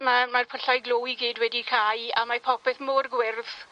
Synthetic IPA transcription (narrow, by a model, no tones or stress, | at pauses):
mamarpʰəɬajɡlˠoːiɡiːdwɛdikʰajamapʰɔpɛθmorɡwɪrð